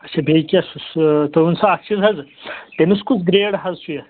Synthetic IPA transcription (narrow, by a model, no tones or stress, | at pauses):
ɐt͡ʃʰɐbʱeːkʲiɐsust̪ɐunsɐɐkt͡ʃʰizɦɐzt̪eniskut͡sɡɾeːɽɦɐzsujɐ